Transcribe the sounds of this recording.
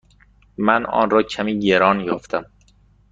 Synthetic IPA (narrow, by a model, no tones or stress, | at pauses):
mænɒ̰ːnɾɒːcʰæmiːɟeɾɒːnjɒːft̪ʰæm